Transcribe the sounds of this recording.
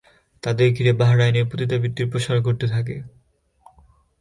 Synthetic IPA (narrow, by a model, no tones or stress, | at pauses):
t̪ad̪eɾɡʱiɾebaɦaɾaeneɾpot̪it̪abit̪ːiɾpɾoʃaɾkoɾt̪et̪ʰak̬e